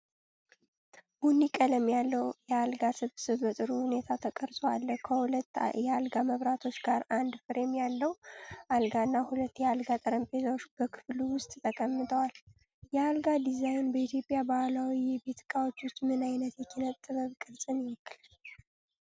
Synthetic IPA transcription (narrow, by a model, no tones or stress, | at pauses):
bunːikʼələmjalːəwjɛalɡasɨβsɨβət̪ʼɨɾuhune̞t̪ʰat̪ʰəkʼəɾsʼowalːəkʰəhulət̪ːjɛalɡaməβɾat̪ʰo̞t͡ʃːɡaɾand̪fɨɾemjalːəwʔalɡanːahulət̪ːjɛalɡat̪ʼɨɾəmpʼʰezawot͡ʃːb̥əkʰɨ̥fluwʊst̪ʼt̪ʰəkʼəmːɨt̪ʰəwal | jɛalɡad̪izajunbəit̪ʰjopʼjabahlawijɛbet̪ʰɨ̥kʼawot͡ʃːwʊst̪ʼmɨnajnət̪jɛkʰːinət̪ʼːɨβəβkʼɨɾsʼɨnjɪwəkːɨl